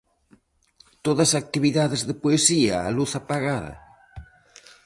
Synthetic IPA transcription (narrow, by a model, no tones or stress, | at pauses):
t̪oðɐsak̚t̪iβiðaðezðepoesiaa̰luθapaɣaðɐ̰